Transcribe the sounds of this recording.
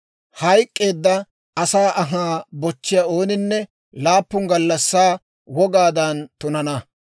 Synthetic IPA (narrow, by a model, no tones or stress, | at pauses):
hɐjkʼːe̞ːd̪ːɐ | ɐsaːʔɐɦaːbɔt͡ʃːɪjɐo̞ːnɪnːɛ | laːpːʊŋɡɐlːɐsːaː | wɔɡaːd̪ɐnt̪ʊnɐnɐ